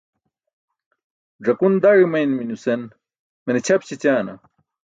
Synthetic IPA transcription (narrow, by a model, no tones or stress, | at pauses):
ʐɐkund̪aːɻimɐjnminusen | menet͡ɕʰɐpt͡ɕʰit͡ɕaːnɐ̰